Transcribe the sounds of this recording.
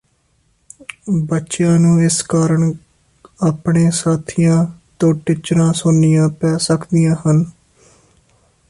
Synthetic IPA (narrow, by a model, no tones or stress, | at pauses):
bətːʃjãːnũːɪskaːɾəɳ | aːpɳeːsaːt̪ʰijãːt̪õːʈɪt͡ʃɾãːsʊnːɪjãːpɛːsəkʰd̪ɪjãːɦən